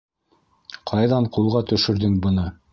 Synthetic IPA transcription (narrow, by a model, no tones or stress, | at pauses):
qʰɑjðɑɴqulˠʁɑt̪ɵ̆ʃɵ̆ɾðɘŋbɤ̆nɤ